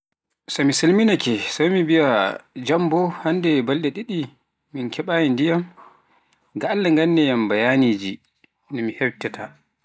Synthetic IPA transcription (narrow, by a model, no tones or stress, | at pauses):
sɔmisilminakɛsamibiad͡ʒambɔhandɛbalɗɛɗiɗi | minkʰɛɓaːjindijam | ɡaːlːaŋɡanːɛjambajaːniːd͡ʒi | nɔmihɛbtɛtʰa